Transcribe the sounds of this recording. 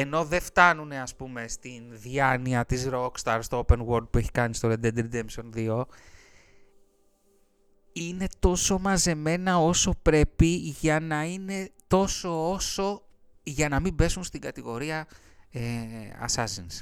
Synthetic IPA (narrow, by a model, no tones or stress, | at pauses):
e̞no̞ðe̞ft̪ɐnune̞ɐspume̞st̪inðiɐniɐt̪izɾokst̪ɐɾst̪oope̞nɣo̞ɾd̪̚pue̞çi̥kɐnist̪oɾed̪ed̪ɾid̪emso̞nðio̞ | ine̞t̪o̞so̞mɐze̞me̞nɐo̞so̞pɾe̞piʝɐnɐine̞t̪o̞so̞oso̞ | ʝɐnɐmimbe̞sunst̪iŋɡɐt̪iɣo̞ɾiɐ | eɐ̰sɐzins